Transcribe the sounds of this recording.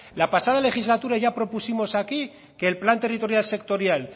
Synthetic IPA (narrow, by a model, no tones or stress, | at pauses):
lapasað̞ale̞xizlat̪uɾajʝapɾo̞pusimo̞saki | ke̞ːlplant̪e̞rit̪o̞ɾjalse̞kt̪o̞ɾjal